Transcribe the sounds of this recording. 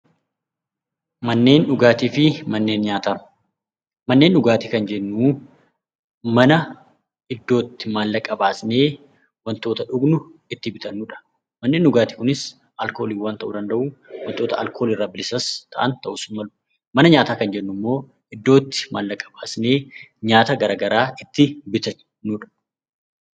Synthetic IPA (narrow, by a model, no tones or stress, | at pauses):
mɐnːe̞ːnᶑʊɡaːt̪iːfɪmɐnːe̞ːnɲaːt̪aː | mɐnːeːnᶑʊɡaːt̪iːkɐnd͡ʒɛnːuː | mɐnɐ | ɪd̪ːo̞ːt̪ːɪmaːlːɐkʼɐbaːsne̞ː | wɐnt̪oːt̪ɐᶑʊɡnʊɪt̪ːɪbɪt̪ɐnːuːᶑɐ̥ | mɐnːe̞ːnːʊɡaːt̪i̥ːkʊnɪs | ʔɐlko̞ːliːwant̪ɐʔuːd̪ɐnd̪ɐʔuːwɐnt̪oːt̪ɐɐ̰lkʰo̞lɪrːaːbɪlɪsɐst̪ʰɐʔɐnt̪ɐʔʊsʊnmɐlʊ̥ | mɐnɐɲaːt̪aːkɐnd͡ʒɛnːʊmːo̞ː | ɪd̪ːo̞ːt̪ːɪ̥maːlːɐkʼːɐbaːsne̞ːɲaːt̪ɐɡɐɾaːɡɐɾaːʔɪt̪ːɪbɪt̪ɐ | nːuːᶑɐ̥